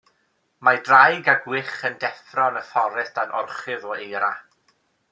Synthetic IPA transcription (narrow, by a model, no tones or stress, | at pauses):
madrajɡaɡwɪχəndɛfrɔnəfɔɾɛθd̥anʔɔ̰rχɨðɔejɾa̰